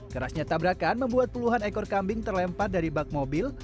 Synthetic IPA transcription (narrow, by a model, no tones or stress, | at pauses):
kəɾasɲat̪abɾakanməmbuat̪̚puluɦanekɔrkambɪŋt̪ərlɛmpat̪̚daɾibak̚mobɪl